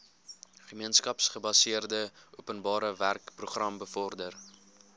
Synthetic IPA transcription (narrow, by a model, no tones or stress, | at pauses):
χəmiənskɐpsχəbɐsiərdəuəpənbɑːɾəværkpruχrɐmbəfɔrdər